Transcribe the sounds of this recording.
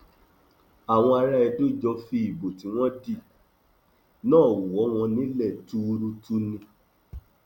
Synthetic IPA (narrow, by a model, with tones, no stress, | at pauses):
a˨w̃ɔ̃˧a˧ɾa˦ɛ˧do˦˨d͡ʒɔ˧fi˧˦i˦˨bo˨ti˨˦w̃ɔ̃˦di˦˨ | nãː˦˨wu˨ɔ˨˦w̃ɔ̃˧nĩ˨˦lɛ˦˨tu˦˧ɾu˦tu˦nĩ˧